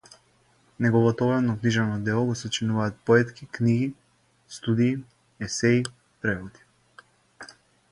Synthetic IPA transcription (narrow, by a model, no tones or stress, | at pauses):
nɛɡɔvɔt̪ɔvɛnɔkniʒɛnɔd̪ɛlˠɔɡɔsɔt͡ʃinuvaːt̪̚pɔɛt̪kikniɡi | st̪ud̪iː | ɛsɛi | pɾɛvɔd̪i̥